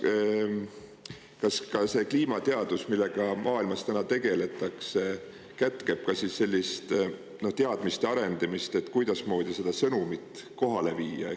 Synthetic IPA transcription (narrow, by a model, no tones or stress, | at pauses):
kɑskɑse̞kliːmɑt̪eɑd̪̥usmilːe̞ɡ̥ɑmʔɑːilmɑst̪ænɑt̪e̞ɡ̥e̞le̞t̪ˑːɑkse | kæt̪ke̞b̥̚kɑsisːe̞lʲːist̪ | no̞ht̪eɑd̪̥mist̪jɑɾe̞nd̪̥ɑmist̪e̞t̪ːˑkujd̪̥ɑsmo̞ːd̪̥ise̞d̪̥ɑsɤnumit̪ˑko̞ɦɑle̞viːjɑ̰